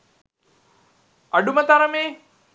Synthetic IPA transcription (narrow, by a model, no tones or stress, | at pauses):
aɖumət̪aɾəmeː